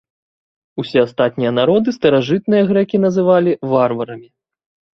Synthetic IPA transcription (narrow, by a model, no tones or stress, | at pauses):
usʲɛast̪at̪̚nʲijɐnaɾɔd̪ɨst̪ɐɾaʐɨt̪̚nɨjɐɣɾɛkʲin̪ɐzɨvalʲivarvɐɾɐmʲi